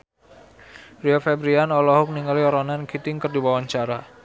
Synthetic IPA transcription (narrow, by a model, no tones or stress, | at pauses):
riofɛbɾianɔlɔɦʊk̚niŋɔliɔɾɔnankit̪ɪŋkərdiwawaɲt͡ʃaɾa